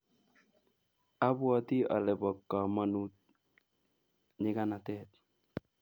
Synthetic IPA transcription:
a˦bwa˦t̪i˦a̰˨lɛ˨bɔ˨kːa˨ma˨nu˦t̪̚ | ɲɪ˦ka˦na˨t̪ɛ˦t

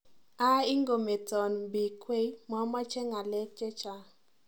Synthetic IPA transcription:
a˦i˦ŋɡo˨me˨tɔ˨nbi˨kʰwe˦i˦ma˦ma˦t͡ʃɛ˦ŋa˨lɛ˦t͡ʃɛ˦t͡ʃa˦

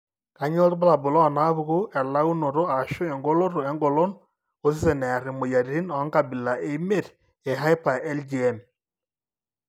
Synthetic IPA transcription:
ka˨ɲɔ˦tba˦la˨bʊ˨lɔ˦˨na˦βu˦˨ɣu˦ɛ˨la˦u˦no˨ɾo˦a˨ʃo˦ɛ˨ŋɡo˦lo˦ɾo˨ɛ˦ŋɡo˨lo˦n | o˦s̬ɪ˦se˨nɛ˨ɾɪ˨mo˨ja˨ɾɾi˦nɔ˨˦ŋka˨bɪ˨la˨ʔe˦me˦˨t | ɛ˨ɦa˦i˦pa˨ɛ˦ld͡ʒi˨ɛ˦˨m

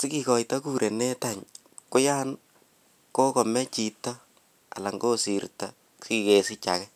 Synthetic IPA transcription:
sɪ˦kikɔ˨jta˦kuːɾʔe˨ne˦taɲ | kʊ˦ja˦n | ko˦kɔ˨mɛ˦t͡ʃi˨tɔ˦ | a̰˨la˨ŋɡo˦si˨rta | si˨kesɪ˦t͡ʃakɛ˦

